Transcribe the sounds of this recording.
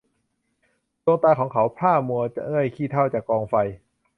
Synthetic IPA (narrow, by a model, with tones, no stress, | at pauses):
lu˧əŋt̪aː˧kʰɔː˩˦ŋkʰa˩˦wpʰaː˥˩mu˧ɐt͡ɕa̰˧ʔɯ˥˩əjkʰiː˥˩t̪ʰa˥˩wt͡ɕaː˨˩kːɔː˧ŋfa˧j